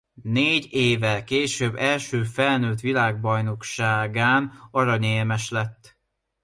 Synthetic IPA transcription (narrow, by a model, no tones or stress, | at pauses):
neːɟeːvɛlkeːʃøbːɛlʃøːfɛlnøːt̪ʋilaːɡ̚bɒjno̞kʃaːɡaːnɒɾɒɲeːlmɛʃlɛt̪ː